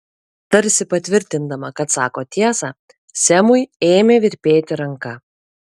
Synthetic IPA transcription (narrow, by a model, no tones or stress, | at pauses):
t̪ɐɾʲsʲɪpɐt̪ʲʋʲɪɾʲt̪ʲɪnd̪ɐmɐkɐt̪sɑːkoːt̪ʲiɛsɑː | sʲɛmʊjeːmʲeːʋʲɪɾʲpʲeːt̪ʲɪɾɐŋkɐ